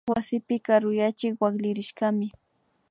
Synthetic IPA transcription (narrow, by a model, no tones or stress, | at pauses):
wasɪpɪkaɾʊjat͡ʃɪkwaklɪɾɪʃkamɪ